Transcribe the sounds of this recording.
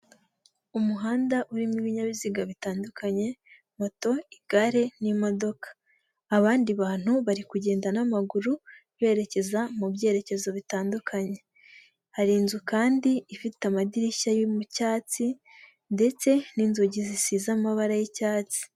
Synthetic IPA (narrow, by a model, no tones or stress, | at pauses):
umuɦaːndaʔuɾimiβiɲaβiziɡaβitaːndukʰaɲe̞ | mo̞to̞iɡ̥aɾe̞nimo̞do̞kḁː | βaːndiβaːn̥huβaɾikuɟe̞ːndanamaɡuɾu | βe̞ːɾe̞ce̞zamubɟe̞ɾe̞ce̞zo̞βitaːndukʰaɲe̞ | haɾiːnzukaːndiːfitamadiɾiʃajimucaːt͡si | nde̞t͡se̞ninzoɟizisizamaβaɾajicaːt͡si̥